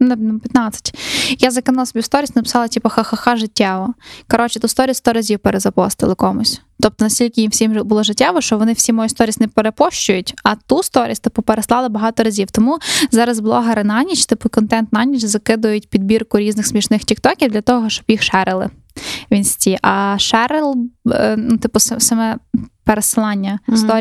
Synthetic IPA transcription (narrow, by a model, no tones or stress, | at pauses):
nɛnpʲjɐt̪nɑt͡sʲːɐ̥tʲjazɐkɪnɑlˠɐsbʲiwst̪ɔɾʲisʲnɐpɪ̥sɑlˠɐtʲipɐxɐxɐxɑʒɪtʲːaʋɔkɔɾɔt͡ʃɪt̪ust̪ɔɾʲist̪ɔɾɐzʲiwpeɾezɐpɔst̪ɪ̰lˠɪkɔmʊsʲ | t̪ɔp̚t̪ɔnɐsʲtʲilʲkɪjimwsʲimbʊlˠɔʒɪtʲːaʋɔʃt͡ʃɔʋɔnɪwsʲimɔjust̪ɔɾʲisʲnɛpeɾepɔʃt͡ʃʊjʊtʲɐt̪ust̪ɔɾʲisʲt̪ɔpupeɾeslˠɑlˠɪbɐɦɑt̪ɔɾɐzʲiwt̪ɔmuzɑɾɐzblˠɔɦɐɾɪnɑnʲit͡ʃt̪ɪpʊkɔnt̪ɛnt̪nɑnʲit͡ʃzɐkɪd̪ʊjʊtʲpʲid̪̚bʲirkʊɾʲiznɪxsmʲiʃnɪxtʲik̚t̪ɔkʲiwd̪lʲɐt̪ɔɦɔɦɔʃt͡ʃɔbjixʃɛɾɪlˠɪ̰ | ʋʲinsʲtʲiʔɐʃɛɾɪlˠnut̪ɪpʊsɐsɐmɛpeɾesɪlˠɑnʲːɐst̪ɔ